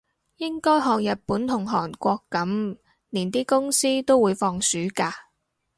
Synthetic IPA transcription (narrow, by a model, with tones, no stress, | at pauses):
jɪ˥ŋkɔː˥jɦɔː˨˧ŋjɐ˨t̚puː˨˥nt̪ʰʊ˨˩ŋɦɔː˨˩nkʷɔː˧kːɐ˨˥m | niː˨˩nt̪iː˥kʊ˥ŋsiː˥t̪o˥wuː˨˧jfɔː˧ŋsyː˨˥kaː˧